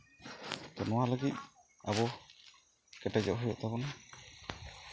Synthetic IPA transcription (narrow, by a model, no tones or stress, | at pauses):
t̪ɔnɔwaləɡit̪̚ | abɔ | kɛʈad͡ʒɔʔɦujɔʔt̪abɔna